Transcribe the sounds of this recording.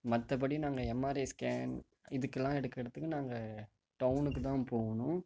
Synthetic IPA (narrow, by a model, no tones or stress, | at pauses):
mɐt̪ːɐp̬ɐɽinaːŋɡɐɛmːaːɾeːskaːn | ɪðɯkːɛlːãːɛɽɯkːɪɽɐt̪ːɯkːɯnaːŋɡɐ | ʈɐʊnɯkːɯt̪ãːpoːɣɐnʊ̃